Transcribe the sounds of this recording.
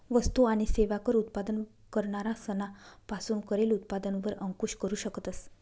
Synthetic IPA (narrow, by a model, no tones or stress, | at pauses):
ʋəst̪uaɽ̃iseʋakəɾut̪pad̪ən | kəɾɳaɾasənapasuːnkəɾelut̪̚pad̪ənʋəɾəŋkuɕkəɾuːɕəkt̪əs